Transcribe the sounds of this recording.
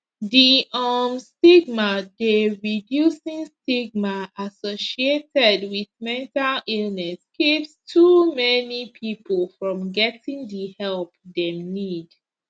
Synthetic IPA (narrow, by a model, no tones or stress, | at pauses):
diʔɔmstiɡmadeɹidjusĩŋstiɡ̚maʔasoʃietɛdwiðmɛ̃ntalilnɛskipstʰumɛnipʰipʰəlfɹɔ̃mɡɛtĩŋdihɛlˠp̚dɛmnid